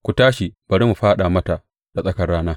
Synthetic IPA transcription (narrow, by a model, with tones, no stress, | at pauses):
kʷu˨taː˦ʃi˨b̥ɐ˨ɾi˦mu˨ɸaː˦ɗa˨mɐ˦ta˨ | d̥a˨sʼɐ˦kɐ˨rːaː˦naː˦